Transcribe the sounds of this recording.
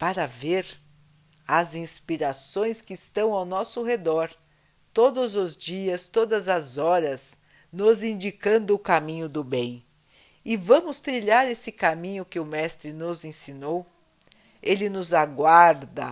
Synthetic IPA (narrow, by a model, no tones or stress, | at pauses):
paɾɐveɾ | ɐzĩspiɾasõj̃skɪːst̪ɐ̃w̃awnɔsʊɦed̪ɔɾ | t̪od̪ʊzʊzd͡ʒiɐst̪od̪ɐzɐzɔɾɐz | nʊzĩnd͡ʒikɐ̃nd̪ʊːkamĩɲʊd̪ʊbẽj̃ | ɪvɐ̃mʊst̪ɾiʎaɾesɪkamĩɲʊkɪʊmɛst̪ɾɪnʊzẽsinow | elɪnʊzaɡwaɾd̪ɐ